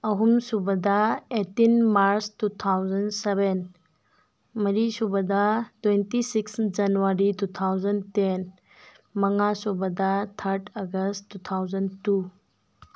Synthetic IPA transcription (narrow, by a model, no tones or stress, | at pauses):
ɐɦumsubɐdɐetinmaɾstut̪ʰawzɐnseben | mɐɾisubɐdɐtwentisiksd͡ʒɐnuwaɾitut̪ʰawzɐnten | mɐŋasubɐdɐt̪ʰɐɾtʰɐɡɐstut̪ʰawzɐntu